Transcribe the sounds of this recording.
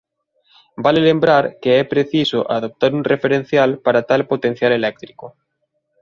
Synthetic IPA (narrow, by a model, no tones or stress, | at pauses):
balelẽmbɾaɾkeɛpɾeθisoʔaðop̚t̪aɾunrefeɾẽn̟θjalpaɾat̪alpot̪en̟θjalelɛk̚t̪ɾiko